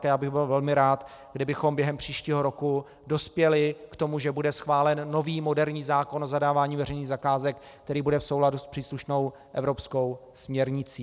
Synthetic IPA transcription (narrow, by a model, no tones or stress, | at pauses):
jaːbɪɣbɪlvɛlmɪɾaːt̪ | ɡdɪbɪxo̞mbjɛɦɛmpr̝̥iːʃciːɦo̞ɾoku | do̞spjɛlɪkt̪o̞muʒɛbudɛsxvaːlɛnːo̞viːmo̞dɛɾɲiːzaːkonʔozadaːvaːɲiːvɛɾɛjniːɣzakaːzɛk | t̪ɛɾiːbudɛfso̞wladuspr̥iːsluʃno̞w | ʔɛvɾo̞psko̞wsmɲɛɾɲɪt͡siː